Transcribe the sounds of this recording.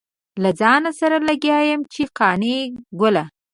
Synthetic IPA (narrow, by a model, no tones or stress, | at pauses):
lad͡zɑnasaɾalaɡjɑjəmt͡ʃeqɑneɡʊla